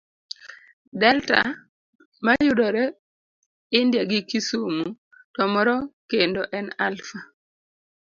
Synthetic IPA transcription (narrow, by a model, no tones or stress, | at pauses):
dɛlta̰ | majʊdɔɾɛ | ɪndjaɡɪkisumu | tɔmɔɾɔkendoʔɛnalfa